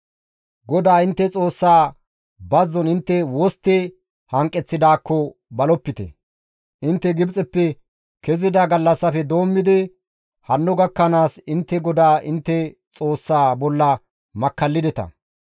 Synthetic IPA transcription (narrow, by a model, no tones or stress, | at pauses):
ɡɔd̪aːɪnt̪ːɛt͡sʼo̞ːsːaː | bɐzːɔnɪnt̪ːɛwɔst̪ːɛ | hɐŋkʼːɛt͡sːɪd̪aːkːɔbɐlɔpːɪt̪ɛ̰ | ʔɪnt̪ːɛɡɪbt͡sʼɛpːɛ | kɛzɪd̪ɐɡɐlːɐsːɐfɛd̪oːmːɪd̪ɪ | hɐnːɔɡɐkːɐnaːsɪnt̪ːɛɡɔd̪aːʔɪnt̪ːɛt͡sʼoːsːaːbɔlːɐ | mɐkːɐlːɪd̪ɛt̪ɐ̰